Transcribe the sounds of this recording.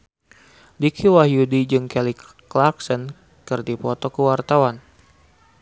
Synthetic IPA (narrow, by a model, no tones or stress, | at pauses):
dikʰiwahjudid͡ʒɨŋkɛli | klarksən | kɨrdipɔt̪ɔkəwart̪awan